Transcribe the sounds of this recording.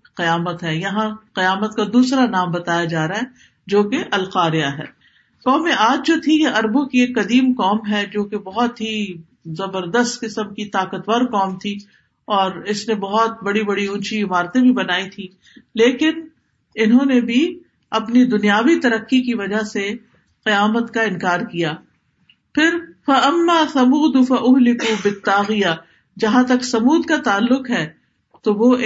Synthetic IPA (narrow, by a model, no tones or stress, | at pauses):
qɪjaːmət̪ɦɛːjɐɦãqɪjaːmət̪kad̪uːsɾanaːmbɐt̪aːjad͡ʒaːɾaɦɛ | d͡ʒoːkeʔɐlqaːɾɪjaɦɛ̰ː | kɔːmẽʔaːd͡ʒd͡ʒoːt̪ʰijeʔɐɾbõkieːkːɐd̪iːmkɔːmɦɛd͡ʒoːkebɐɦɔt̪ɦi | zɐbəɾd̪əst̪kɪsəmkit̪aːkət̪ʋaɾkɔːmt̪ʰi | ɔːɾɪsnebɐɦɔt̪̚bɐɽibɐɽiũːt͡ʃiɪmaːɾt̪ẽbʱibɐnaːit̪ʰĩ | leːkɪn | ɪnɦõnebʱi | ɐpnid̪ʊnijaːʋit̪ɐɾəqːikiʋɐd͡ʒaɦse | qɪjaːmət̪kaɪ̃nkaːɾkijaː | pʰɪɾfɐʔɐmːaːsɐmuːd̪ʊfɐʔʊɦlɪkubɪt̪ːaːɣɪjaː | d͡ʒɐɦãt̪ɐksɐmuːd̪kat̪aːlːʊqɦɛː | t̪oʋo